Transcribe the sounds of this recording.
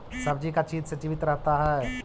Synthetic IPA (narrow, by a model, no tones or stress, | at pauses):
sɐbd͡ʒikat͡ʃiːdsed͡ʒiʋɪt̪ɾɐɦt̪aɦɛː